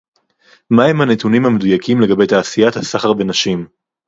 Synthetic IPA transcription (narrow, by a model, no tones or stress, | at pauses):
mahe̞manet̪unimhame̞d̪ujakʰimleɡabe̞jt̪aːsijat̪hasaχaʁve̞naʃim